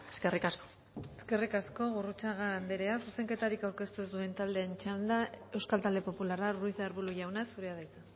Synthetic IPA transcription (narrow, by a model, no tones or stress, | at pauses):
e̥skerikasko | eske̞rikasko̞ɣurut͡saɣand̪eɾe̞asuse̞ŋke̞t̪aɾikawɾke̞st̪uezd̪ue̞nt̪ald̪e̞ːnt͡ʃald̪ae̞wskalt̪ald̪e̞po̞pulararujðeaɾβuɾuʝawnasuɾe̞aðajt͡s̪a